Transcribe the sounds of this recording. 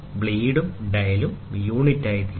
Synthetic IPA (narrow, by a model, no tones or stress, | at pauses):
bɭiːɽumɖɐjɐlumjuːɳitːaːjit̪ːi